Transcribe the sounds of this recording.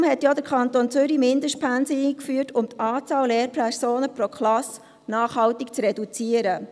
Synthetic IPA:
mhɛtjod̪əɾkʰɑnt̪ont͡sʏɾimɪndəʃt̚pʰænsəikfyːəɾtʰʊmt̪ɑːt͡sɑːwleːɾpʰɛɾsoːnəpɾokʰlɑs | nɑːχhɑwtikt͡sɾɛdut͡siəɾə

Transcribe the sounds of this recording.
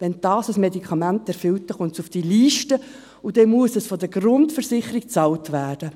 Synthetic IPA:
ʋɛnd̥ɑːsəsmedikʰɑmæntɛɾfʏlt̚dɛχʊnsufd̥iliːʃtə | ud̥ɛmuəsɛsfɔdəɡ̥ɾʊntfəɾsɪχəɾik̚t͡sɑltvæːd̥ə

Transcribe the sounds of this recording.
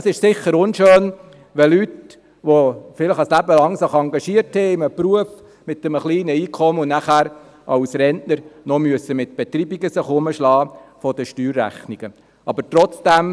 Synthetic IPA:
sɪʃsɪχːəɾʊnʃøːn | ʋɛlyt | ʋofɪləχɑslæbəlɑŋsɪχɑŋɡɑʃiəɾthɛɪɪməpruəf | mɪt̪ːəməχliːnəiːkʰɔməʊnæχæːɾ | ʔɑʊsɾɛntnəɾnɔmyəsːəmɪt̪̚b̥ɛt̪ɾiːbiɡəsɪχʊməʃlɑːfɔd̥̪əʃtyːɾːæ̰χniɡ̥ə | ɑbəɾtɾɔt͡sd̥æm

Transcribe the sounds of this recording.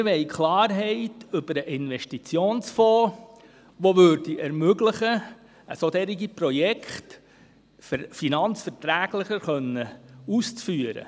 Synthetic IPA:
ɾʋɛɪkʰlɑːɾɦɛɪtʏb̥əɾəʔɪnʋɛʃtit͡sjoːnsfɔː | ʋoʋøːɾd̥iʔɛɾmøɡləχə | ə̰sot̪ɛɾiɡiprɔjɛkχt | ffinɑnt͡sfɛɾtɾæːɡ̥ləχəɾχœnːəust͡sfyəɾə̰

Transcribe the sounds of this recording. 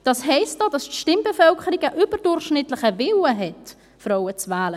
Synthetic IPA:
d̥ɑshɛɪstd̥oːd̥ɑstʃtɪmbəfœlkʰəɾiɡəʔʏb̥əɾd̥ʊrχʃnɪtlɪχəvɪwəɦɛt | fɾɔʊət͡svæːlə

